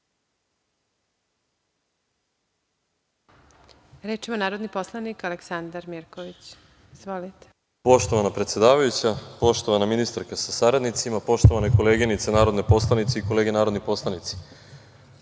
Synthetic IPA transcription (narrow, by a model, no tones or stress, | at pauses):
ɾeːt͡ʃimonaːɾod̪niposlˠanikaleksand̪aɾmiɾkoʋit͡ɕ | izʋo̞lit̪e̥ | po̞ʃt̪oʋanapɾet̪sʲjed̪aːʋajut͡ɕapo̞ʃt̪o̞ʋanaminist̪aɾkasasaɾad̪nit̪simapo̞ʃt̪o̞ʋaneko̞leːɡinit̪senaːɾod̪nepo̞slˠanit̪seiko̞le̞ːɡenaːɾo̞d̪nipo̞slˠanit̪si̥